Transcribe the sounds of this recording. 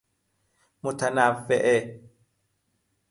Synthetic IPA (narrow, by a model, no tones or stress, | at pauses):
mʊt̪anafɛʔɛ